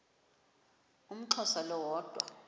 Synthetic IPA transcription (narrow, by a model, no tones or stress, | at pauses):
um̩ǁʰɔsalɔwɔːd̥ʱwa̰